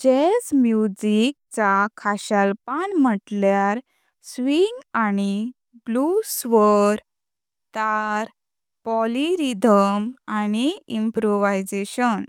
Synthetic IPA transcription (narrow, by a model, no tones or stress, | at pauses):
d͡ʑed͡zmjud͡ʑik̚t͡sakʰaɕalpanm̤əʈljaɾ | sʋiŋɡani | blusʋəɾ | t̪aɾ | pɔliɾid̪ʱəmaniimpɾoʋajd͡zeɕən